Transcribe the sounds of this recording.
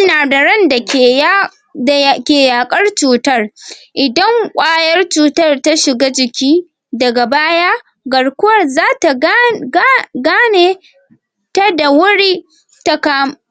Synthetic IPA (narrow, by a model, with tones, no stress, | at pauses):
naː˨dɐ˨ɽɐ˦nda˨kʲe˨˦˨ | kʲeː˨jaː˨kʼɐ˦rt͡ʃuː˦tɐ˦rʔɪ˨dɐ˦ŋkʷʼaː˦jɐ˦rt͡ʃuː˨tɐ˦rta˦ʃɪ˨ɡa˦d͡ʒɪ˨kʲiː˦ | dɐ˨ɡa˨baː˦jaː˦ | ɡɐ˨ɽkʷʊ˦wɐ˦˨rzaː˦ta˨˦ | ɡaː˦neː˦ | ta˦da˨wʊ˦ɽiː˦ | ta˦kaː˦m˨